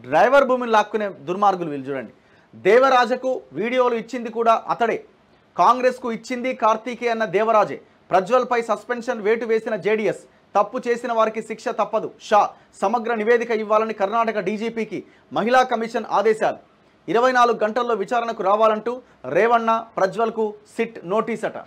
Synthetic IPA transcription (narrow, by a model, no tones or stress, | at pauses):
ɖɾɐjʋɐɾbʱuːminlaːkːune̞ːd̪uɾmaːɾɡuluʋild͡ʒuːɽɐ̰ɳɖi | d̪ɛːʋɐɾaːd͡ʒɐkuʋiːɽijo̞ːluit͡ʃːind̪ikuːɽaːʔɐ̰t̪ɐɽeː | kaːŋɡɾe̞ːskuit͡ʃːind̪ikaːɾt̪iːkeːɐnːɐd̪ɛːʋɐɾaːd͡ʒḛː | pɾɐd͡ʒʋɐlpɐjsɐspenʂɐnʋe̞ːʈuʋe̞ːsinɐd͡ʒeːɖijes | t̪ɐpːut͡ʃe̞ːsinɐʋaːɾikiʃikʂɐt̪ɐpːɐd̪uʃaː | sɐmɐɡɾɐniʋe̞ːd̪ikɐiʋːaːlɐnikɐɾnaːʈɐkɐɖiːd͡ʒiːpiːki | mɐɦilaːkɐmiʂɐna̰ːd̪ɛːʃaːlṵ | iɾɐʋɐjnaːluɡuɡɐɳʈɐlːo̞ːʋit͡ʃaːɾɐnɐkuɾaːʋaːlɐɳʈuː | ɾɛːʋɐnːɐpɾɐd͡ʒʋɐlɐkusiʈno̞ːʈiːsɐʈɐ̰